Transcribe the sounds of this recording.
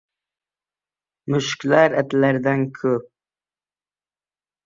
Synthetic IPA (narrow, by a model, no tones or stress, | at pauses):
mʊʃkʲlæɾæt̪læɾd̪ænkʰɵp̚